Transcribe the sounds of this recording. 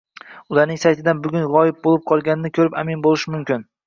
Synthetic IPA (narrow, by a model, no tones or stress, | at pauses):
ʊlˠaɾnɪŋsajt̪ʰɪd̪anbʊɡʲʊnʁɒjɪp̚bolˠɪp̚qʰɒlˠɡʲanɪnɪkʲʰɵɾɪpamɪnbolˠɪʃɪmʊmkʲɪn